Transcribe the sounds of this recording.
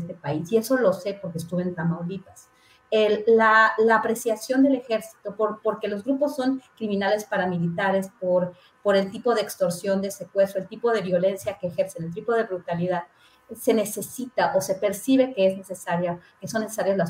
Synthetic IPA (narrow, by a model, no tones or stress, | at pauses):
st̪epaisie̞so̞lo̞se̞po̞ɾkes̬t̪uβe̞nt̪amawd̪it̪as | elalaːpɾe̞sjasjo̞nd̪e̞le̞xe̞ɾsi̥t̪o̞poɾpo̞ɾke̞lo̞zɣɾupo̞sːo̞ŋkɾimĩnale̞spaɾamilit̪aɾe̞spoɾ | po̞ɾe̞lt̪ipo̞ðeeːkst̪o̞ɾsjo̞nd̪e̞sekwe̞soe̞lt̪ipo̞ð̞e̞βjo̞le̞nsjake̞ːxe̞ɾsenelt̪ipo̞ð̞e̞βɾut̪aliðað | se̞ne̞se̞sit̪aʔo̞se̞pe̞ɾsiβe̞ke̞ezne̞se̞saɾjakeso̞nːesesaɾjozlas